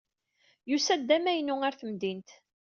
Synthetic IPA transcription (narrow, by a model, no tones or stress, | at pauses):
jusæd̪ːæmæjənːʊæɾθəmd̪int̪